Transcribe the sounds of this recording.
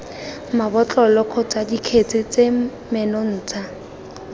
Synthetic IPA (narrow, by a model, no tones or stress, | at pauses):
mabɔt͡ɬʼɔlɔq͡χʰɔt͡sadikʰet͡sʰʼɪt͡se | mɛnɔn̩ːt͡sʰa